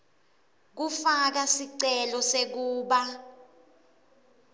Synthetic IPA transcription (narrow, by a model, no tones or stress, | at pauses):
k̬ufak̬asiǀɛlɔsek̬uːɓa